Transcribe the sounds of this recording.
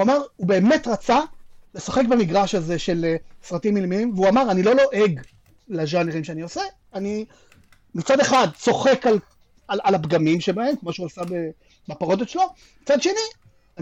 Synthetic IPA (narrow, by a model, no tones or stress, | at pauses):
amaʁube̞ːmetʁat͡sale̞sḁχekbamiɡʁaʃaze̞ʃe̞lsʁatimːilmiimveuamaʁanilo̞lo̞ʔe̞ɡ | laʒaneʁimʃeaniose | ani | mit͡sade̞χadso̞χe̞kal | alalapɡamimʃebahe̞mkmoʃeuasabe | bapaʁo̞d̪et̪ʃelo̞ | mmit͡sadʃe̞ni | a